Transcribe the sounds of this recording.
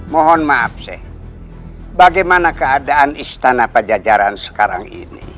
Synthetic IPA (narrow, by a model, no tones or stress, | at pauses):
mɔɦɔnmaap̚sɛ̰h | baɡajmanakəadaːnist̪anapəd͡ʒad͡ʒaɾansə̥kaɾa̰ŋḭnḭ